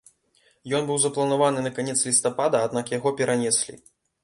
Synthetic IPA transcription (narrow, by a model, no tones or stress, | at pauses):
jɔnbɨwzɐplˠɐnavanɨnɐkanʲɛt̪slʲist̪apad̪ɐːd̪nakjaɣɔpʲɛɾʔanʲɛsʲlʲḭ